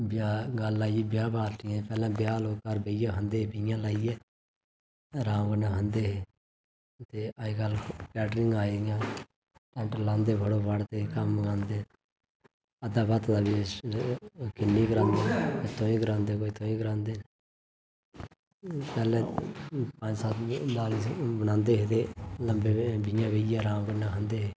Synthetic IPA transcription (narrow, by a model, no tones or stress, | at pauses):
bjaːɡəlːaːiiːbjaːbaːɾʈɪjãːpɛːlãːbɪjaːloːkːaːɾbeːɪjãːɦənd̪eːpijãːlaːijɛː | ɾãːɡənãːɦənd̪eːɦeː | t̪eːaiɡəlpɛːʈɾɪŋɡaːeɪjãː | ʈə̃ʈlãːnd̪eːbəɽoːbaɽt̪eːkəmɡãːnd̪eː | əd̪aːbət̪d̪aːbiː | kɪnːiːɡəɾãːnd̪eːet̪oːĩːɡəɾãːnd̪eːkoːiːt̪oːiːɡəɾãːnd̪eːn | pɛːlɛ̃ːpə̃d͡ʒsat̪naːliːsbənãːnd̪eːɦet̪eːləmbeːbɪjãːbeːjãːɾãːɡənãːɦənd̪eːɦeː